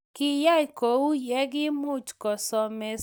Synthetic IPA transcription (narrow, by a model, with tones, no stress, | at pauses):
kɪ˦ja˦jko˨u˦jɛ˦ɡɪ˦mʊ˦t͡ʃkɔ˨sɔ˨me˨